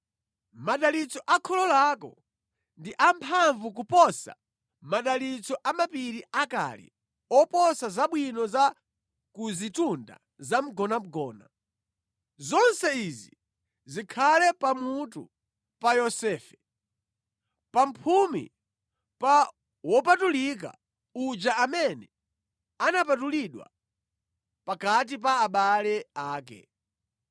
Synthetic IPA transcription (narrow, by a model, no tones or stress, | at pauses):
maɗalit͡sɔʔakʰɔlɔlaːkɔ̰ | ndiʔampʰaɱvuk̬upɔsa̰ | maɗalit͡sɔʔamapiɾiʔaka̰lḭ | ɔpɔsazaɓwinɔza | kuzitunda̰ | zam̩ɡɔnam̩ɡɔːna̰ | zɔnsɛizi | zikʰalɛpamutṵ | pajɔsɛːfɛ | pam̩pʰumḭ | pa | wɔpatulik̬a̰ | ud͡ʒaamɛnɛ | anapatuliɗwa̰ | pakat̬ip̬aːɓalɛaːk̬ɛ̰